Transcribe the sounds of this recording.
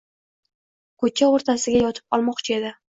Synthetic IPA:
kʰɵt͡ʃʰaoɾt̪ʰasɪɡʲajɒt̪ʰɪ̥p̚ɒ̰lˠmɒqt͡ʃʰɪe̞d̪ɪ

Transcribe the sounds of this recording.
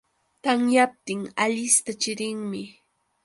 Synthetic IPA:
t̪aŋjap̚t̪ɪŋaʎɪst̪at͡ʃɪɾɪŋmɪ

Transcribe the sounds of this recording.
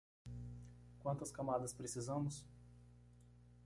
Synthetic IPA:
kwɐ̃nt̪ɐskamad̪ɐspɾesizɐ̃mʊs

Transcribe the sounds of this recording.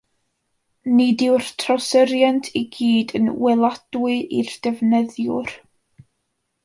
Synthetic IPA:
nidɪwr̥tʰrɔsəɾjantʰiɡiːdə̰nwɛlˠad̥wɨʔḭrd̥ɛvnɛðjʊr

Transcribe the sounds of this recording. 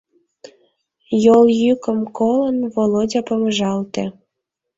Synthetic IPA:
joljykəmkolənvolodʲɑpəməʒɑlt̪e

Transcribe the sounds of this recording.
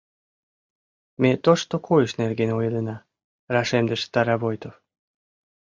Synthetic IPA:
met̪oʃt̪okʰojəʃnerɡenojlenɑ | rɑʃemd̪əʃt̪ɑɾɑβojt̪of

